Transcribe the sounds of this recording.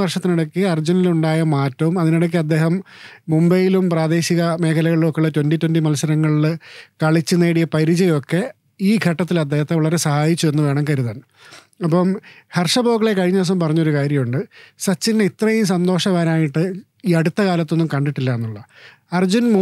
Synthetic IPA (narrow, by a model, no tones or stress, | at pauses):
ʋɐrʂɐt̪ːiniɽɐkːiɐrd͡ʑuniluɳɖaːjɐmaːtːɐʋumɐðiniɽɐk̬ːiɐd̪ːe̞ːɦɐmːumbɐjilumpraːd̪e̞ːɕiɣɐme̞ːkʰɐlɐɣɐɭiluokːeɭːɐtwenditːwɐndimɐlsɐɾɐŋːɐɭilkɐɭit͡ɕːuneːɽijɐpɐɾid͡ʑɐjo̞kːe̞ | iːɡʱɐʈːɐt̪̬ːilɐd̪ːe̞ːhɐt̪ːeʋɐɭɐɾe̞sɐhaːjit͡ɕːue̞nːɨʋe̞ːɳɐmkɐɾuðaːn | ɐpːɐmhɐrʂɐboːkːɐɭekɐɻiɲːɐs̬ɐmpɐrɐɲːo̞ɾukaːɾjɐmuɳɖɨsɐt͡ɕːindeit̪rɐjumsɐnd̪o̞ːʂɐʋaːnaːjiʈːɨ | iːɐɽut̪ːɐkaːlɐt̪ːo̞nːumkɐɳɖiʈːilːɐenːuɭːɐ | ɐrd͡ʑunm